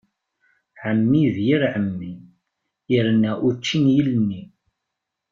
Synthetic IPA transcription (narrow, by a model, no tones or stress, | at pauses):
ʕəmːiðjiɾʕəmːi | ɪɾnːæʔut͡ʃːinjilənːi